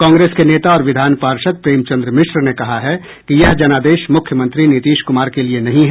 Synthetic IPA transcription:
kãːŋɡɾeːskeneːt̪aɔːɾʋɪd̪ʱaːnpaːɾʃət̪̚pɾeːmt͡ʃɐ̃nd̪ɾəmɪʃɾnekɐɦaɦɛ | kijɐɦd͡ʒɐnaːd̪eːʃmʊkʰjəmɐ̃nt̪ɾinɪt̪iːʃkʊmaːɾkelienɐɦĩɦɛ

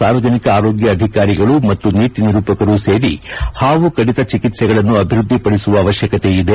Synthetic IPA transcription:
saːɾʋɐd͡ʒʱɐnikɐaːɾoːɡjɐːd̪ʱikaːɾiɡɐɭumɐt̪ːuniːt̪iniɾuːpɐkɐɾuse̞ːɾihaːʋukɐɽit̪ɐt͡ʃikit̪sɛɡɐɭɐnːuɐbʱiɾud̪ʱːipɐɽisuʋɐːʋɐʃjɐkɐt̪eid̪e

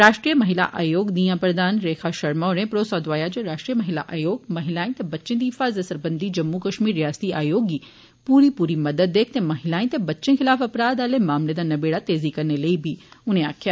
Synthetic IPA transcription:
ɾaːʃʈɾijəmɐɦɪla̰ʔaːjoːɡniːãpɾɐd̪aːnɾeːkʰaːʃɐɾmɔːɾẽpɾoːsɔːd̪ʋaːjad͡ʒeɾaːʃʈɾiːəmɐɦɪla̰ʔaːjoːɡmɐɦɪlaːĩt̪ebɐtːʃẽd̪iːɦɪfaːzɐsəɾbɐ̃nd̪id͡ʒɐmːukɐʃmiːɾːɪjaːst̪iaːjoːɡi | puːɾipuːɾimɐd̪əd̪ːeːkʰt̪emɐɦɪlaːĩt̪ebɐtːʃẽxʰɪlaːfɐpɾaːd̪aːlemaːmled̪anɐbeːɽat̪eːzikɐɾneləibʱiːʊnẽaːkʰjaː

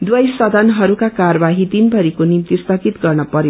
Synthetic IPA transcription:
d̪wʌjsʌd̪ʱʌnɦʌɾukakaɾʌbaɦit̪inbʱʌɾikonimt̪ist̪ʌɡit̪ɡʌrnʌpʌɾe

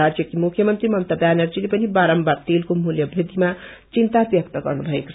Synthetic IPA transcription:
ad͡zjʌkimukʰjʌmʌnt̪rimʌnt̪ʌbjanʌrd͡zilepʌnibaɾʌmbat̪elkomuljʌbʱid̪ʱima | t͡sint̪abjʌk̚t̪ʌɡʌrnubʱʌeko̥

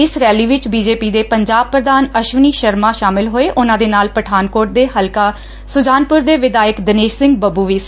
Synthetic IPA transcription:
ɪsɾɛːliːʋɪt͡ʃbiːd͡ʒeːpiːd̪eːpəɲd͡ʒaːb̚pɾəd̪aːnəʃʋɪniːʃəɾmãːʃaːmɪlɦoːeːʔʊnãːd̪eːnaːlpəʈʰaːnkoːɾʈ̚d̪eːɦəlkaː | sʊd͡ʒaːnpʊɾd̪eːʋɪd̪aːjəkd̪əneːʃsɪ̃ŋɡ̚bəbuːʋiːs

